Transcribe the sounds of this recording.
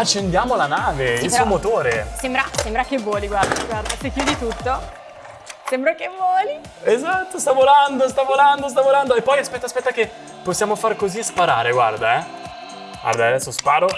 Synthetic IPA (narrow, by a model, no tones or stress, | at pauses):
at͡ʃːend̪jaːmolanaːveilsuomot̪oːɾesembɾasembɾakevːɔːliɡward̪aɡward̪asekːjɛːd̪it̪ut̪ːo | sembɾakevwɔːli | ezat̪ːost̪avoland̪os̬t̪avoland̪os̬t̪avoland̪oepːɔjaspɛt̪ːaspɛt̪ːake | pːosːjaːmofarkozispaɾaːɾeɡward̪aɛ | ɡwa̰rd̪aad̪ɛsːospaːɾo